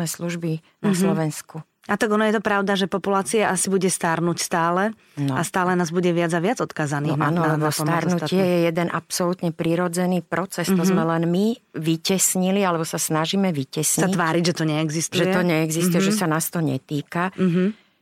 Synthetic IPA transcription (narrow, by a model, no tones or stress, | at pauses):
nɛːsluʒbi | naslɔʋɛnsku | at̪aɡɔnɔjɛt̪ɔpɾaʊd̪aʒɛpɔpulaːt͡siaʔasibuɟɛst̪aɾnucst̪aːlɛ | nɔast̪aːlɛnaːzbuɟɛʋɪad͡zaʋɪad͡zɔt̪kaːzaniɔnanɔɔsaɾnucɪɛjɛjɛd̪ɛnʔapsɔlut̪ɲɛpɾiɾɔd͡zɛniːpɾɔt͡sɛst̪ɔzmɛlɛnmiʋicɛsɲilialɛbɔsasnaʒimɛʋicɛsɲit̪ʋaːɾiɟʒɛt̪ɔɲɛɛɡzist̪ʒɛɛt̪ɔɲɛɛɡzist̪ujɛʒɛsanaːst̪ɔɲɛ̰t̪iːka